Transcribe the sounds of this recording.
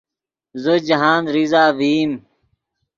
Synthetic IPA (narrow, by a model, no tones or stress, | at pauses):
zod͡ʑɐɦaːnɾizaːʋiːm